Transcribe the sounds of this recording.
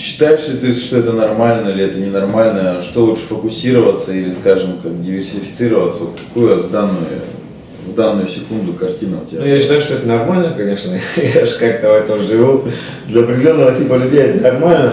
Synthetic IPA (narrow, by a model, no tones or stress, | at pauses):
ɕːɪ̥t̪ajɪʂlʲɪt̪osʲtʲʂt̪o̞ɛt̪ənɐrmalʲnəilʲɪɛt̪ənʲɪnɐrmalʲnəʂt̪o̞lˠuʂɨ̥fəkʊsʲiɾəvət̪səilʲɪskaʐɨmkak̚dʲɪvʲɪrsʲɪfʲɪ̥t̪sɨɾəvət̪səvot̪kɐ̥kujəvd̪anːʊ̰j̰ | vd̪anːʊjʊsʲɪkund̪ʊkɐrtʲinəʊ̰tʲɪbʲjaɕːɪt̪ajʊʂt̪oɛt̪ənɐrmalʲnəkɐnʲeʂnəjaʐɨkak̚t̪əvɛt̪əmʐɨvʲud̪lʲɐɐpɾʲɪdʲɪlʲo̞nːəvətʲipəlʲʉdʲejɛt̪nɐrmalʲnə